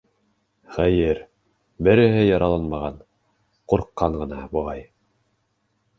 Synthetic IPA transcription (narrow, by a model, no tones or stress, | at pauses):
χæjɘɾ | bɘ̆ɾɘ̆ɦɘjɑɾʔɑlˠɑnmɑʁɑn | quɾqːɑɴɢɤ̆nɑbuʁɑj